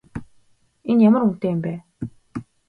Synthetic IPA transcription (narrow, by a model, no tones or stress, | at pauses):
enjamə̆ɾun̥t̪eːjɪmpæː